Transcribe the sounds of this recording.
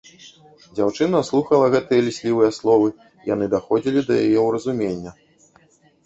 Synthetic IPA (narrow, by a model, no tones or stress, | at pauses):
d͡zʲawt͡ʂɨnɐslˠuxɐlˠɐɣɛt̪ɨjɐlʲisʲlʲivɨjɐslˠɔvɨ | ja̰n̪ɨd̪axɔd͡zʲilʲid̪ɐjajɛwɾɐzumʲenʲːɐ